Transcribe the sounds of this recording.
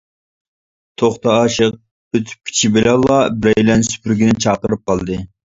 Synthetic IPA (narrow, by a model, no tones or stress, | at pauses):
t̪ʰoχt̪ɑɑːʃəq̚ | b̥øt̪ʰy̥p̚kʲʰi̥t͡ʃʰibɪlɛlˠːɑbɾɛjlɛnsy̥pyɾɡʲinɪt͡ʃʰɑːqəɾɨp̚qɑlˠd̪ɨ